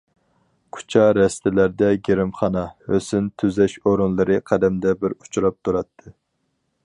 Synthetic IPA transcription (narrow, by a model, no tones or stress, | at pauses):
kʰu̥t͡ʃʰɑɾɛst̪ɪlæɾd̪ɛɡʲeɾɪmχɑnɑhøsɪnt̪ʰyzɛʃoɾunlˠɨɾɨqʰæd̪ɛmd̪ɛbɪɾut͡ʃʰuɾɑp̚t̪ʰuɾɑt̪ʰːɨ